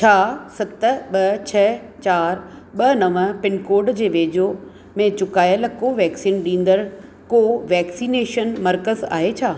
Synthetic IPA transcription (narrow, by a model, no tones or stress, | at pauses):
t͡ɕʰaːsɐt̪̆ɓɐt͡ɕʰɐt͡ɕaːɾɓɐnɐʋəpɪnkoːɾɖd͡ʑeːʋeːd͡ʑo | mẽt͡ɕʊkaːjəlkoːʋɛːksiːnɗĩːn̆d̪əɾ | koːʋɛːksiːneːʃənmɐɾkəza̰ːɦet͡ɕʰaː